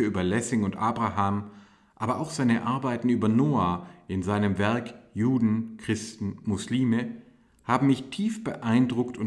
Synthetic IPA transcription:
əyːbɐlɛsɪŋʊntʔaːbʁaɦaːm | ʔaːbɐʔaʊxz̥aɪnəʔaɐbaɪtn̩yːbɐnoːaːʔɪnzaɪnəmvɛɐkjuːdn̩kʁ̥ɪstn̩mʊsliːmə | haːbm̩mɪçtʰiːfb̥əʔaɪndʁʊktʊn

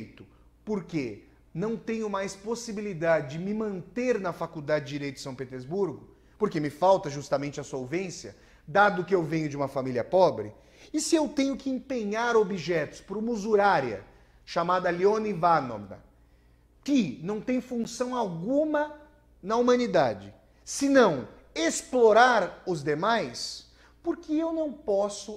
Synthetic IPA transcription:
jt̪ʊ̥ | poɾke | nɐ̃w̃t̪ẽɲʊmajsposibilid̪ad͡ʒɪd͡ʒɪmɪmɐ̃nt̪eɾnɐfakud̪ad͡ʒɪd͡ʒɪd͡ʒiɾejt̪ʊɪsɐ̃w̃pet̪eɾzbuɾɡʊ | poɾkemɪfawt̪ɐʒust̪ɐmẽnt͡ʃɪɐsowvẽsjɐ̰ | d̪ad̪ʊkɪewvẽɲʊd͡ʒɪũmɐfamiliɐpɔbɾɪ | ɪsɪewt̪ẽɲʊkɪẽpẽɲaɾobiʒɛt̪ʊ̥spɾʊmuzuɾaɾiɐ̰ | ʃamad̪ɐliõnivano̰bɾɐ̰ | kɪnɐ̃w̃t̪ẽj̃fũsɐ̃w̃awɡũmɐ | nɐumɐ̃nid̪ad͡ʒɪ | sɪnɐ̃w̃ | esploɾaɾʊzd̪emajs | poɾkɪewnɐ̃w̃pɔsʊ

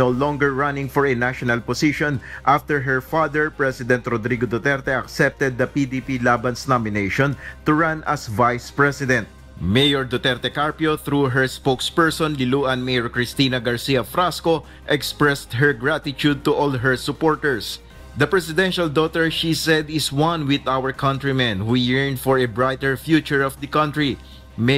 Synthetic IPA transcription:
nolɔ̃ŋɡɛɹɹanɪ̃ŋfɔɹɛnaʃɔnɐlpɔsiʃɔ̃nʔaft̪ɛɹɦɛɹfad̪ɛɹpɹɛsɪd̪ɛ̃nt̪ɾɔd̪ɾiɡod̪ɔt̪ɛɾt̪ɛɐksɛp̚t̪ɛd̪̚ːɐpid̪ipilaːbɐnsnamɪnejʃɔ̃nt̪uɹãnʔɐsvajspɹɛsɪd̪ɛ̃nt̪̚ | mejɔɹd̪ot̪ɛɾt̪ɛkaɹpjoθɾuɦɛɹspokspɛɹsɔ̃nlɪluɐ̃nmejɔɹkɹɪst̪iːnɐɡɐɹsiːɐfɾasko | ʔɛkspɹɛst̪̚ɦɛɹɡɹat̪ɪt͡ʃud̪̚t̪uʔɔlɦɛɹsʊpɔɹt̪ɛɹs | d̪ɐpɹɛsɪd̪ɛ̃nʃɐld̪ot̪ɛɹʃisɛd̪ɪswɐ̃nwɪðawəɹkʰɐ̃nt̪ɹimɛ̃nwijɛɹnd̪fɔɹɛbɹajt̪ɛɹfjut͡ʃʊɹɔfd̪ɐkʌ̃nt̪ɹi | m

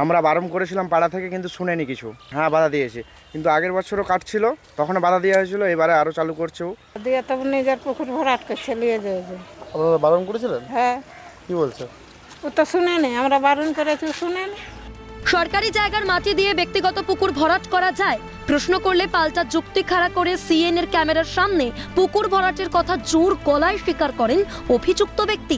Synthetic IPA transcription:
amɾabaɾonkoɾet͡ɕʰilampaɽat̪ʰekekint̪uʃunenikit͡ɕʰuɦɛ̃bad̪ʱad̪ijet͡ɕʰi | kint̪uaɡeɾbɔːʃʰoɾokaʈt͡ɕʰilot̪ɔkʰonebad̪ʱad̪ijaɦot͡ɕʰiloejbaɾeaɾot͡ɕalukoɾt͡ɕʰew | d̪ijat̪obned͡ʑaɾpukuɾbʱɔɾaʈket͡ɕʰelijed͡ʑajet͡ɕʰiabaɾonkoɾet͡ɕʰilenɦɛ̃ | kibolt͡ɕʰe | ut̪oʃuneniamɾabaɾonkoɾet͡ɕʰiʃuneniʃɔɾkaɾid͡ʑaeɡaɾmaʈid̪ijebek̚t̪iɡɔt̪opupkuɾbʱɔɾaʈkɔɾad͡ʑae | pɾosnokoɾlepalʈad͡ʑukt̪ikʰaɾakoɾesieneɾkɛmeɾaɾʃamnepukuɾbʱɔɾaʈeɾkɔt̪ʰad͡ʑuɾɡɔlaeʃikaɾkɔɾen | obʱid͡ʑuk̚t̪obek̚t̪i

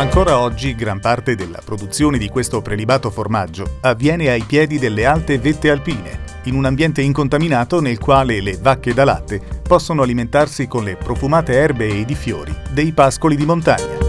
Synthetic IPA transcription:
aŋkoːɾaɔd͡ʒːiɡɾampart̪ed̪elːa̰pɾod̪ut̪sːjoːned̪ikwest̪opɾelibaːt̪oformad͡ʒːoavːjɛːneajpjɛːd̪id̪elːealt̪evet̪ːealpiːnḛ | inunambjɛnt̪eiŋkont̪aminaːt̪onelkwaːlelevakːed̪ala̰t̪ːepɔsːonoaliment̪arsikonlepɾofumaːt̪eɛrbeːd̪ifjo̰ːɾḭd̪ejpaskolid̪imont̪a̰ɲːa̰

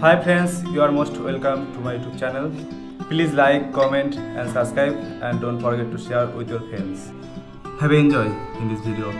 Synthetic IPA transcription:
hajpʰɾẽnsjuaɾmosʈwelkə̃mʈumajuʈub̚t͡ʃɛnəl | pliːzlajkːɔmẽɳʈɛ̃nɖsəbskɾajbɛ̃nɖɖõnʈfɔɾɡeʈːuʃeɾwid̪ʰjɔɾfʰɾɛ̃ns | hɛbiẽnd͡ʒɔjĩnd̪isbʱiɖio

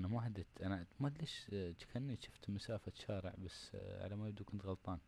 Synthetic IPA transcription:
namaħad̪ɪt̪ʔanamat̪leːʃt̪kʰanːiʃʊ̥ft̪masaːfat̪ʃaːɾə̰ʕbasːʕa̰lamajɪb̚d̪ukʊnt̪ɣɑlt̪ˤɑːn

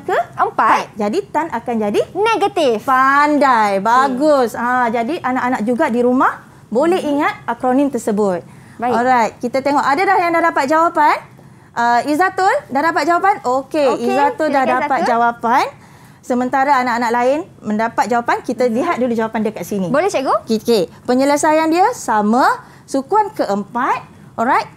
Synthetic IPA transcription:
kəəpaat̪̚d͡ʒadit̪anakand͡ʒadineɡat̪ifpandajbaɡʊsad͡ʒadiʔanaʔanak̚d͡ʒuɡadiɾumah | bolɛɦiŋat̪̚akɾonĩnt̪ərsəbʊt̪̚ | ɔɾajt̪̚kit̪at̪eŋɔʔadadahjaŋdadapat̪̚d͡ʒawapan | ʔəizat̪ʊldahdapat̪̚d͡ʒawapanokeizat̪ʊldahdapat̪̚d͡ʒawapan | səmə̃nt̪aɾaanaʔanaʔ̚laɪn | mə̃ndapat̪̚d͡ʒawapankit̪aliɦat̪̚dulud͡ʒawapandiakaʔsinĩbolɛsaɡokkepəɲələsajandiəsamã | sukuankəʔəmpat̪̚ | ɔɾajt̪̚

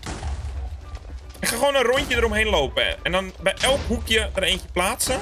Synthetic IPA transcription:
ɪkxaxoːnənruntjədəɾomɦeːnloːpəɛ̰ndɔnbɛjʔɛlˠkɦukjədəreːntjə̥plaːtsə

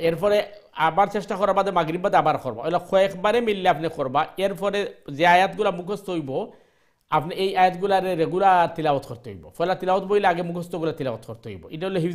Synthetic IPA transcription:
eɾpʰɔɾeabaɾsesʈakɔɾabad̪ɛmaɡɾibad̪abaɾkʰɔɾba̰ɔjlɔkʰɔekʰbaɾemilːiapnekʰɔɾbaeɾpʰɔɾezeajat̪ɡulamukʰɔst̪ɔɦojbɔ | apniejajat̪ɡulaɾeɾeɡulaɾt̪ilabɔt̪kʰɔɾt̪eɦo̰jbɔ̰fʰɔjlat̪ilabɔt̪boileaɡemukʰɔst̪ɔɡulat̪ilabɔt̪kʰɔɾt̪eɦo̰jbɔ̰itaojlɔɦi

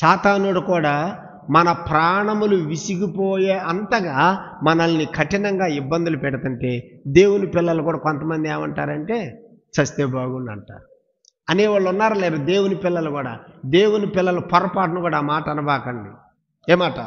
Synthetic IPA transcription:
ʃaːt̪aːnoɽukuːɽaː | mɐnɐpɾaːɳɐmuluʋisiɡipoːjeːɐnt̪ɐɡaːmɐnɐlɐnikʰɐʈinɐŋɡaːibːɐnd̪ulupɛɽɐt̪uɳʈe̞ːd̪e̞ːwunipɪlːɐlukuːɽaːkont̪ɐmɐnd̪ieːmɐɳʈa̰ːɾɐɳʈeː | t͡ʃɐst̪eːbaːɡunɐɳʈa̰ːɾu | ɐneːʋaːɭːunːaːɾɐleːɾud̪e̞ːwunipɪlːɐlukuːɽa̰ːd̪eːwunipɪlːɐlɐpɐɾɐpaːʈɐnukuːɽaːmaːʈɐɐnɐbaːkɐɳɖḭ | eːmaːʈɐ̰

